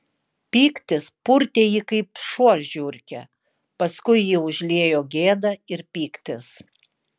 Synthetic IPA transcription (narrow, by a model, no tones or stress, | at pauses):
pʲiːkt̪ʲɪspʊɾʲt̪ʲeːjikɐɪpʃuɔlʲʒʲʊɾʲkʲɛ̰ | pɐskʊɪjiːʊʒʲlʲiɛjoːɡʲeːd̪ɐɪɾpʲiːkt̪ʲɪs